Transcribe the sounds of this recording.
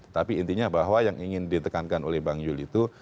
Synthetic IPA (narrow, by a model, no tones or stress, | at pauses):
ət̪apiːnt̪iɲabaɦwajaŋiŋɪndit̪əkankanolɛhbaŋjʊlit̪u